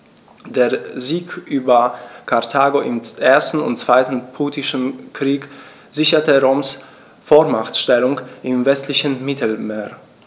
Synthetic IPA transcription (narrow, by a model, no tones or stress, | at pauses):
d̥eːɐziːkʔyːbɐkʰaɐtʰaːɡoʔɪmʔeːɐstn̩ʊ̰ntt͡sv̥aɪtn̩pʰuːtɪʃn̩kʁ̥iːk | z̥ɪçɐtəʁoːms | foːmaχtʃtɛlʊŋʔɪmvɛstlɪçn̩mɪtʰl̩meːɐ